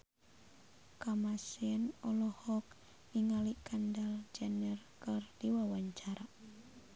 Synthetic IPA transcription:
kamasiənɔlɔhɔk̚ | niŋalikandald͡ʒanərkərd̥iwawaɲt͡ʃaɾa

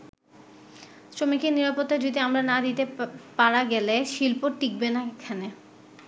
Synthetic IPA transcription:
ʃɾomikeɾniɾapot̪ːad͡ʑod̪iamɾanad̪it̪epaɾaɡɛleʃilpoʈik̚benakekʰane

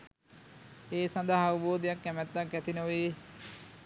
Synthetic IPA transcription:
eːsɐ̃nd̪aɦɐʋuboːd̪ijakːæmɛt̪ːakːæt̪inəe

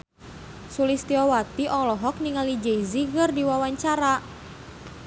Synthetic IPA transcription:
sulist̪iɔwat̪iʔɔlɔɦɔk̚niŋalid͡ʒeiziɣərdiwawaɲt͡ʃaɾa

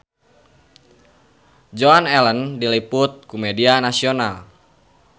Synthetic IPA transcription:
d͡ʒɔanɛləndiliput̪̚kumɛdianasional

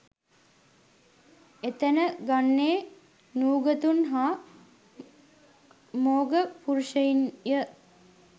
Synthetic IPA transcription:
et̪ənəɡanːeː | nuːɡət̪unɦaː | moːɡəpuɾuʃəjinjə

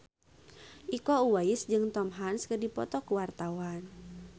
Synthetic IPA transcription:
ʔikɔuwaɪsd͡ʒɨŋt̪ɔmɦanskədipɔ̰t̪ɔkəwart̪awan

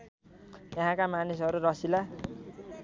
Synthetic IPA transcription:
jʌɦãkamanisɦʌɾuɾʌsila

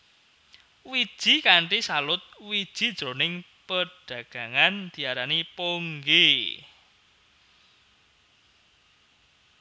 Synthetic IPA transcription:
wid̥ʒ̥i̤kaɳʈisalʊt̪̚wid̥ʒ̥i̤d̥ɾonɪŋ | pəɖ̥ä̤ɡ̥ä̤ŋand̪̥i̤aɾanipoŋɡe

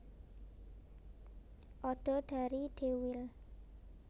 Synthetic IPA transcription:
ʔɔɖ̥ɔ̤ɖ̥a̤ɾiɖ̥ewɪl

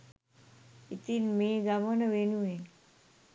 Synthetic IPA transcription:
it̪inmeɡamənəʋenuen

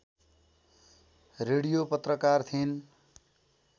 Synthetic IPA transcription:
reɽijopʌt̪rʌkart̪ʰin

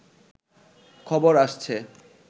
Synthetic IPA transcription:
kʰɔboɾaʃt͡ɕʰe

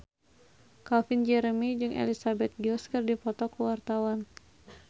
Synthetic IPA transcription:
kafind͡ʒɛɾəmid͡ʒɨŋḛlisabɛt̪̚ɡiɔskərdipɔt̪ɔkuwart̪awan

